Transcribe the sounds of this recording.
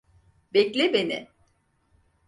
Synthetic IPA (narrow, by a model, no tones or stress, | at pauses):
bɛclʲibenɪ̰